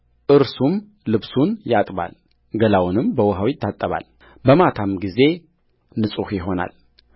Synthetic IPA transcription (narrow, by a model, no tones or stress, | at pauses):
ʔɨɾsum | lɨβsunjat̪ʼβa̰l | ɡəlawnɨmbəwɔɦawɪt̪ʰːat̪ʼːəβa̰l | bəmat̪ʰamɡize̞ | nɨsʼuhjɪɦo̞na̰l